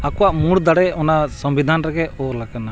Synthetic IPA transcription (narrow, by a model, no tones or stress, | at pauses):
akuwaʔmuɽd̪aɽɛɔnasɔmbid̪ʱanɾɛɡɛɔːɾlakana